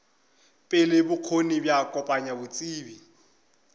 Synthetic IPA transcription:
pʼɪlɪbʊq͡χʰonibjakʼɔpʼaɲabʊt͡sʼiːbi

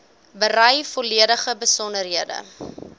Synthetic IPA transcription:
bəɾɐjfɔliədəχəbəsɔndərɦiədə̰

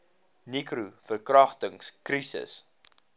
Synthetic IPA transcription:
nikɾufərkrɐχtəŋskrisə̰s

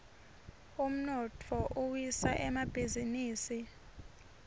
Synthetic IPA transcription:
um̩nɔtʰɔʔuwisaʔɛmab̥ʱiziniːsi

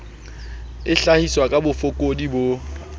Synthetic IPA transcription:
ɪɬahiswakʼabʊfʊkʼodibo

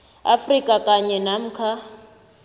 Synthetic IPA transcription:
a̰frikʼakʼaɲɛnam̩kʰa

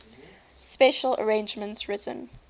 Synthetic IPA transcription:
spɛʃələ̰ɹẽnd͡ʒmə̃ntsɹɪtə̰̃n

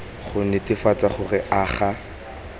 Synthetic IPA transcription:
χʊnɛtɪfat͡saχʊrɪʔaːχa

